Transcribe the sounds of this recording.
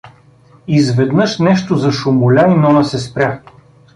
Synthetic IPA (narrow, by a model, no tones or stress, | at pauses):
izvɛd̪nɤʃnɛʃt̪ozɐʃʊmʊlʲainɔnɐsɛspɾʲja